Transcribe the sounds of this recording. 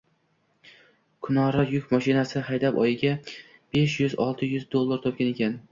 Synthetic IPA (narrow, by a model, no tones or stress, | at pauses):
kʰʊnɒɾajʊkʲmɒʃɪnasɪhajd̪apɒjɪɡʲa | b̥e̞ʃjʊzɒlˠt̪ʰɪjʊzd̪o̞lˠːaɾt̪ʰɒp̚kʲane̞kʲʰan